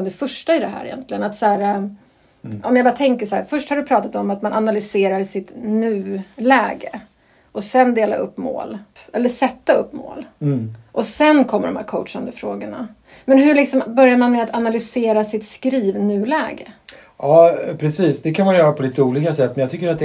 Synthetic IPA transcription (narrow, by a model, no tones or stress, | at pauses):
d̪ɛfœʂʈaɪd̪ɛɦæ̰ːɾɛ̰jɛ̰nt̪lɪɡənat̪sæːɾa | ʔɔmjabɑːɾat̪ʰɛŋkəʂahæ̰ːɾfœʂʈhaɾdɵpʰɾɑːt̪at̪ɔmːat̪manʔanalʏseːɾaɾsɪt̪nʉ̟ːlɛːɡə | ʔɔsɛnd̪eːla̰ɵpːmo̰ːl | ɛlːəʂɛt̪ːaɵpːmo̰ːlʔɔsɛnkʰɔmːə̰ɖɔmhæ̰ɾkʰɔʊt̪ʂand̪əfɾoːɡəɳa̰ | mɛnɦɵɭɪksɔmbœɾjaɾmanmɛat̪ʰanalʏseːɾasɪt̪skɾiːvnʉ̟ːlɛːɡə | ɑːpʰɾɛsiːsd̪ɛkʰanmanjœːɾapʰɔliːt̪əuːliːkasɛt̪ːmɛnjat̪ʏkːəɾat̪̚d̪ɛ